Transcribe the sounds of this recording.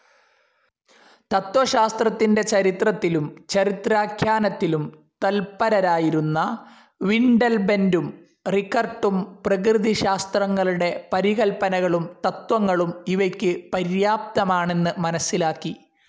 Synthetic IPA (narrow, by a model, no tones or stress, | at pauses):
t̪ɐt̪ʋɐɕaːst̪rɐt̪ːinde̞t͡ɕɐɾit̪rɐt̪ːilumt͡ɕɐɾit̪raːkʰjaːnɐt̪ːilum | t̪ɐlpɐɾɐɾaːjiɾunːɐ | ʋiɳɖɐlbe̞ndum | rikːɐrʈːumprɐkrɨðiɕaːst̪rɐŋːɐɭuɽe̞pɐɾiɣɐlpɐnɐɣɐɭumt̪ɐt̪wɐŋːɐɭumiʋɐkʲːɨpɐɾjaːp̚t̪ɐmaːɳe̞nːɨmɐnɐsːilaːkːi